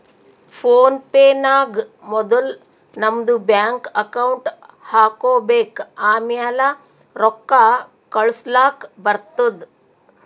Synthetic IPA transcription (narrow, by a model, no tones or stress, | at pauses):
foːnpeːnaːɡmɔd̪əl | nɐmd̪ubjaŋkɐkawuɳʈ | haːkobekaːmjala | ɾɔkːa | kəɭslaːkbɐɾt̪əd̪